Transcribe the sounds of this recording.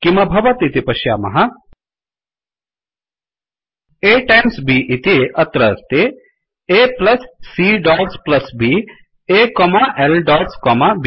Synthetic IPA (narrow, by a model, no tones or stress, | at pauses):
kimɐbʱɐʋɐt̪it̪ipɐʃja̰ːmɐ̰ɦɐ | eːʈajmsbiːʔit̪iɐt̪ɾɐst̪e | eːplɐsːiːɖaːɡsplɐsbiː | ekɔːmaʔelɖaːʈskɔːmab